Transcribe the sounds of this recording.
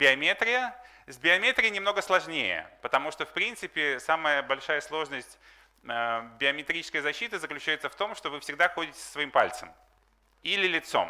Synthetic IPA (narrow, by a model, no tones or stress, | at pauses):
bʲɪɐmʲet̪ɾʲɪjə | zʲbʲɪɐmʲet̪ɾʲɪjənʲɪmno̞ɡəslˠɐʐnʲejə̰pət̪ɐmuʂt̪ofpɾʲint̪sɨpʲɪsaməjəbɐlʲʂajəslˠo̞ʐnəsʲtʲ | əbʲɪɐmʲɪt̪ɾʲit͡ɕɪ̥skəjzɐɕːit̪ɨzəklʲʉt͡ɕæjɪt̪səft̪o̞mʂt̪o̞vɨfsʲɪɡ̚d̪axo̞dʲɪtʲɪ̥səsvɐimpa̰lʲt̪səm | ilʲɪlʲɪt̪so̞̰m